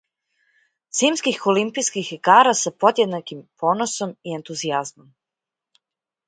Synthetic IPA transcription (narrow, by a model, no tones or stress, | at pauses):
z̥iːmskixolimpiskixkaːɾasapo̞d̪jed̪nakimpʰo̞ːnoso̞mie̞nt̪uziazmo̞m